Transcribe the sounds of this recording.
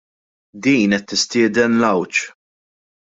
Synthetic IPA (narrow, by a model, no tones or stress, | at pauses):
d̪iːnɛt̪ːɪst̪ɪːd̪ɛnlɐwt͡ʃ